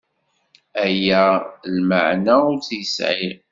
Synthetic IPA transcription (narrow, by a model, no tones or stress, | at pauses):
æjælmə̰ʕnæʊɾθjəsʕḭɾ